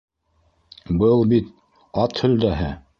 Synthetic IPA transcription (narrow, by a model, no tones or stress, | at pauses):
bɤlˠbit̪ | ɑt̪hɵ̆ld̪æɦɘ